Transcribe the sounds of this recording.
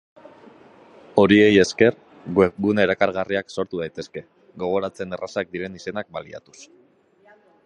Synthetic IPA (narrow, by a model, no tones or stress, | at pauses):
o̞ɾie̞je̞ske̞ɾ | ɡunaeɾakaɾɣ̞ariakso̞ɾt̪uð̞ajt̪e̞ske̞ | ɡo̞ɣ̞o̞ɾat͡se̞ne̞rasak̚d̪iɾe̞nise̞nak̚balia̰t̪u̥s